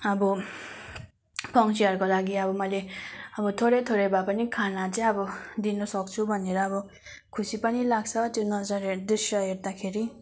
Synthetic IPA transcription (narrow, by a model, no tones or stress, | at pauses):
ʌbɔ | pʰʌŋsiʌɾkolaɡiʌbʌmʌjleʌbʌt̪ʰoɾʌjt̪ʰoɾʌjbapʌnikʰanat͡seʌbʌd̪inʌsʌk̚t͡sʰubʱʌneɾʌːbʌ | kʰusipʌnilaɡ̚t͡sʰʌt̪jonʌd͡zʌɾed̪usjʌɦeɾd̪akʰeɾi